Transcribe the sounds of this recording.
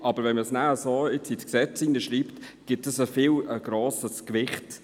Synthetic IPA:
ɑb̥əɾvɛnməsnæəsoːɪt͡sitksɛt͡sinəʃɾiːpt | ɡ̥ɪtəsəfɪləɡ̥ɾoːsəskʋɪχt

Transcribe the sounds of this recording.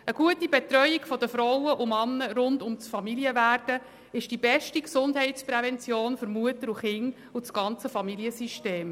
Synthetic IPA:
əɡ̥uətibɛt̪ɾœjiɡ̥fɔd̪əfɾɔwəʔumɑnːəɾʊndʊmt͡sfɑmiliəvæːrd̥ə | ɪʃd̥ibɛʃtiksʊndɦɛɪt͡spɾɛvɛnt͡sjoːnfʏɾmuətəɾuχɪŋ | usɡ̥ɑnt͡səfɑmiljəsiʃteːm

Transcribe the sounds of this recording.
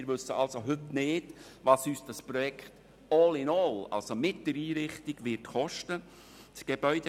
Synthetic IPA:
ɾʋɵsːəɑlsoɦɵtnɪːd | ʋɑːsyːsd̥ɑspɾɔjɛkt | ɔːlɪnɔːlɑ̰lsomɪt̚d̥̪əɾiːɾɪχtɪɡ̥ʋɪtχɔʃtə | tɡ̥eb̥œʏd̥

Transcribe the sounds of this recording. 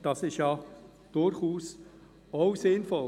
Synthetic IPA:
d̥ɑsɪstjɑ | d̥ʊɾχuːs | oʊsɪnfɔ

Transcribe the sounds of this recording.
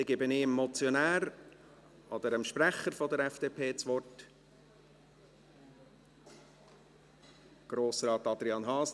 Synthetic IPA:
ɪɡɪbɪnɪmːɔt͡sjɔnæːɾ | ʔɔd̥̪əɾəmʃpɾæχəɾfɔd̪əɾɛfd̥eːpʰeːt͡sʋɔrt | ɡ̥ɾoːsɾɑːt̪ɑd̪ɾiɑːnɦɑːs

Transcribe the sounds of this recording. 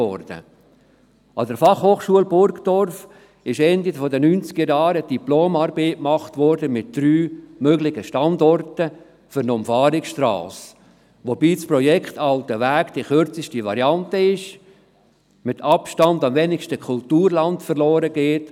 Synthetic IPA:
ɔ̰rd̥ə̰ | ɑdəɾfɑχhoːχʃuəlbʊɾkd̥ɔrf | ɪʃɛndifɔdənynt͡sɡ̥əɾjɑːɾəd̥iploːmɑɾbeːkmɑχtʋɔɾdəmɪt̚d̥ɾyːmøɡlɪɡəʃtɑndɔrtə | fʏɾnɔmfɑːɾɪksʃtrɑ̰ːs | ʋobiːt͡spɾɔjɛkχtɑltəʋæːɡd̥iχʏɾt͡sɪʃtiʋɑɾiɑntəɪʃ | mɪtʰɑpʃtɑndɑmvɛnɪʃtəkʰʊltuːɾlɑntfərlɔːɾəɡ̥eːt

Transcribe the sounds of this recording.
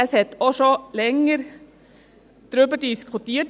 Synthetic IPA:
sɛt̪ːɔsɔlɛŋːəɾ | d̪̥ɾøːpɑʈiːskʰʊt̪iːə

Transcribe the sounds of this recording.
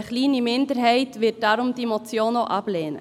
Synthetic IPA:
əχliːnimɪndəɾɦɛɪtʋɪt̚d̥ɑːɾʊmd̥iemɔt͡sjoːnoʔɑb̥leːnə̰

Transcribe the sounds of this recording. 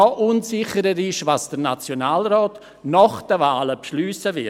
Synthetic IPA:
ɔʔunsɪχəɾəɾɪʃvaːsd̥əɾnat͡sjonaːlɾɔːt | nɔχd̥əvaːləpʃlyːsəvɪ

